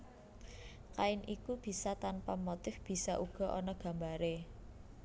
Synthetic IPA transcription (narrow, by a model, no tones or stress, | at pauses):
kaɪnʔikub̥i̤sat̪anpamot̪ɪfb̥i̤saʔuɡ̥ɔ̤ʔɔnɔɡ̥ä̤mbaɾe